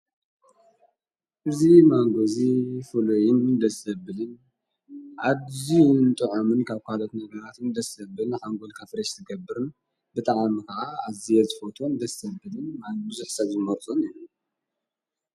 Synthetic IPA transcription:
ʔɨzimaŋɡozifɨlojɪnd̪ɐsɐbɨlɨn | ʔadzint̪ʼɨʕomɨnkʰaβkalo̞t̪nɐɡɐɾat̪ɨnd̪ɐsɐbɨlɨnħaŋɡolkʰafɾɐʃzɨɡɐbːɨɾɨn | bɨt̪ʼaʕmikɐʕaazijezɨfot̪ʰond̪ɐsɐbɨlɨnmabɨzuħsɐβzɨmɐɾt͡s̪ʼunilu

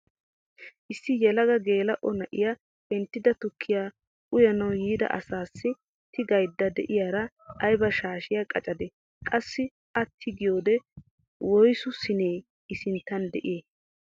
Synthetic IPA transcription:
ʔɪsːɪjɛlɐɡɐɡe̞ːlɐʔɔnɐʔɪ̰ja | bɛnt̪ːɪd̪ɐt̪ʊkʰːɪjaː | ʔʊjɐnɐwjiːd̪ɐ̰ʔɐ̰saːsːɪ | t̪ʰɪɡɐjd̪ːɐd̪ɛ̰ʔɪjaːɾɐː | jbɐʃaːʃɪjakʼɐt͡ʃʼɐd̪ɛ | kʼɐsːɪ | ʔɐt̪ʰːɪɡɪjoːd̪ɛ | wɔjsʊsɪneː | ɪsɪnt̪ːɐnd̪ɛ̰ʔɪjeː

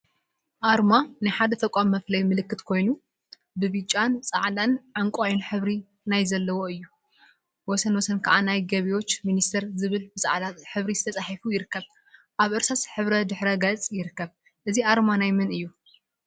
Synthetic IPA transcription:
ʔaɾmanɨjħad̪ɐt̪ʰɐkʼamːɐflɐjmɨlɨkːɨt̪kʰo̞jnu | bɨβit͡ʃʼant͡sʼaʕd̪anʕaŋkʷʼajunħɨβɾi | najzɐlːɐwo̞ɨjːu | wɔsɐnwɔsɐnkʰaʕanajɡɐβiwo̞t͡ʃːminist̪ʰɐɾzɨβɨlbɨt͡sʼa̰ʕd̪at̪ħɨβɾizɨt̪ʰɐt͡sʼaħifujɪɾɨkːɐβ | ʔaβʔɨɾsasħɨβɾɐd̪ɨħɾɐɡɐt͡sʼjɪɾɨkːɐβ | ʔɨziʔaɾmanajmɨnɨjːu

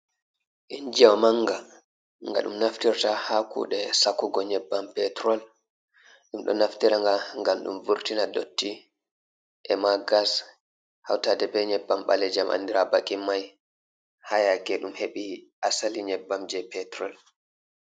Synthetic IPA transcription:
ʔind͡ʒawmaŋɡa | ŋɡa̰ɗṵmnaftiɾtahakṵːɗɛsakːuɡɔɲɛbːampɛtɾɔl | ɗumɗɔ̰naftiɾaŋɡaŋɡalɗṵmvuɾtinadotːi | ʔɛmaɡas | ha̰wtadɛbɛɲɛbːamɓa̰lɛd͡ʒamʔa̰ndiɾabakʼːimːaj | hajakɛɗumheɓiʔasaliɲɛbːamd͡ʒɛpɛtɾɔl

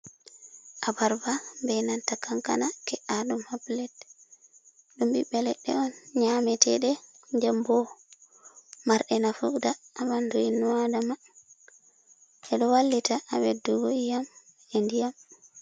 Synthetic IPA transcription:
ʔabaɾbambɛnantakaŋka̰nakɛʔadumhaplɛt̚ | ɗumbibɛlɛɗːɛ̰ɔnɲamɛtɛ̰ɗɛ | ɲd͡ʒambɔ | maɾɗɛnafudaːmandɔinuwadama | ɛɗɔwalːitaʔawɛduɡoijam | ɛndijam

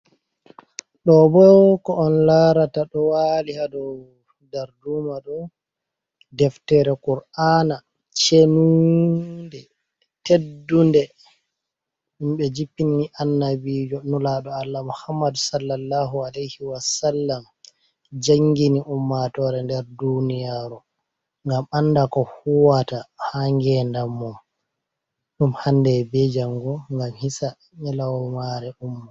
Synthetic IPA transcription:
ɗɔbɔkɔɔnlaɾataɗɔwalihadɔw | daɾduːmaɗɔ | dɛftɛɾɛkuɾana | t͡ʃenu | ndɛ | tedːundɛ | imɓɛd͡ʒipːiniʔanːabiːd͡ʒɔnulaɗɔalːamuhamːadsalːalːaɦualejhiwasalːam | d͡ʒaŋɡiniʔumːatɔɾɛndɛɾdunijaɾu | ŋɡamandakɔhuwatahaŋɡɛndamːum | ɗumhandɛbɛd͡ʒaŋɡɔŋɡamhisa | ɲɛlawɔmaɾɛʔumːɔ

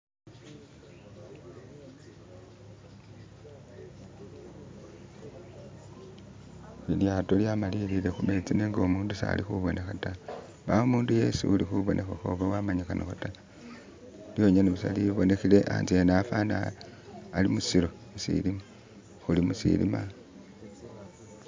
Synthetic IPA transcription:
iljato̞ljamalilile̞xume̞t͡sineŋɡo̞muːndusa̰lixuβo̞nexata | baomuːnduje̞sṵulixuβo̞nʔexaxo̰βawamaɲixanʔoxata | ljo̞ɲeneβusa̰liβo̞ne̞xile̞ʔa̰nzienafana̰ | alimusilo̞ | isḭlima | xulimusḭlḭma

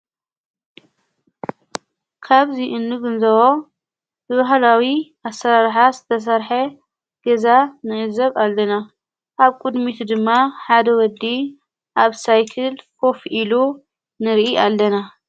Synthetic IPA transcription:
kʰaβziʔɨnːɨɡɨnzɐβo | bɨβahlawiʔasːɐɾaɾħazɨt̪ʰɐs̬ɐɾħɐ | ɡ̥ɐzanɨʔɨzɐβalːɐna | ʔaβkʼud̪mit̪ʰd̪ɨmːaħad̪ɐwɔd̪ːi | ʔaβsajkʰɨlkʰo̞fʔilu | nɨɾʔialːɐna

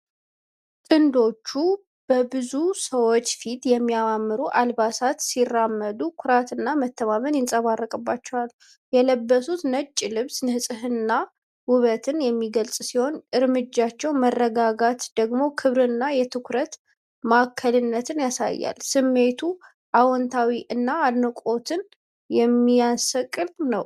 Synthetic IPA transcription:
t̪ʼɨnd̪o̞t͡ʃːu | b̥əbɨzusəwot͡ʃːfit̪jɛmːijawamːɨɾuʔalbasat̪sirːamːəd̪ukʰʊɾat̪ɨnːamət̪ʰːəmamənjɪnsʼəβarːəkʼɨbːat͡ʃːɛwal | jɛləbːəsut̪nət͡ʃʼːlɨβsnɨhɨsʼɨɦɨnːa | wʊβət̪ʰɨnjɛmːiɡəlsʼsiho̞nʔɨɾmɨd͡ʒːat͡ʃːɛwmərːəɡaɡat̪d̪əɡmo̞kʰɨβɾɨnːajɛt̪ʰɨkʰɾət̪ | makʰːəlɨnːət̪ʰɨnjasa̰jːa̰lsɨmːe̞t̪ʰu | ʔawɔnt̪ʰawiʔɨnːaːd̪nəkʼo̞t̪ʰɨn | jɛmːijansəkʼɨlnəw

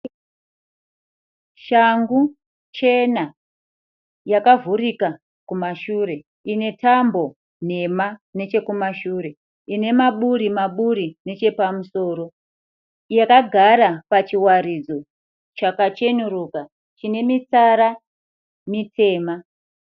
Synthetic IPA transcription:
ʃaŋɡu | t͡ʃe̞na | jakavurika | kumaʃuɾe̞ | ine̞tʰambo̞ | n̤e̞mane̞t͡ʃe̞kumaʃuɾe̞ | ine̞maɓuɾimaɓuɾine̞t͡ʃe̞pamuso̞ːɾo̞ | jakaɡʱaɾapat͡ʃiwaɾid͡zo̞ | t͡ʃakat͡ʃe̞nuruka | t͡ʃine̞mit͡saɾa | mitʰe̞ːma

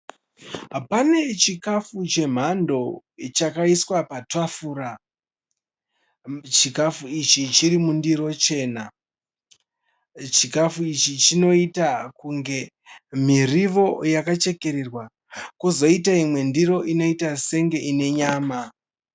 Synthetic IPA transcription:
ɦpane̞t͡ʃikafut͡ʃe̞m̤ando̞t͡ʃakaiswapatwafuːɾa | t͡ʃikafuit͡ʃit͡ʃiɾimundiɾo̞t͡ʃe̞ːna | t͡ʃikafuit͡ʃit͡ʃino̞itakuŋɡe̞ | m̤iriʋo̞jakat͡ʃe̞ke̞ɾerwa | kuzo̞itaimwe̞ndiɾo̞ʔino̞itase̞ŋɡe̞ʔine̞ɲaːma

